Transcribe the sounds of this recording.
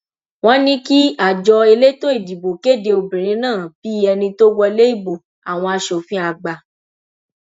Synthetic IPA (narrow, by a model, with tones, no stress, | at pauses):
w̃ɔ̃˦nĩ˦ki˦a˦˨d͡ʒɔ˧e˧le˦to˦i˦˨di˨bo˨ke˦˨de˧o˧bĩ˨ɾ̃ĩ˨˦nãː˦˨b̥i˦ɛ˧nĩ˧to˦wɔ˧le˦i˦˨bo˨ | a˨w̃ɔ̃˧a˧ʃo˨fĩ˦a˧˨ɡ͡ba˨